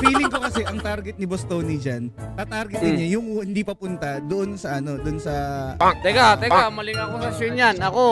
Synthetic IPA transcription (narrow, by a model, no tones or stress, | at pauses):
fiːlɪŋko̞kɐsɛʔɐŋt̪aɾɡɛt̪̚nɪbost̪oːnid͡ʒant̪ɐt̪aɾɡɛt̪ɪnɲajʊŋhɪnd̪iːpɐpʊnt̪ɐd̪oʔonsɐʔɐno̞d̪onsɐt̪ɐɡat̪ɛamɐlɪŋɐkosɐsjonjanɐko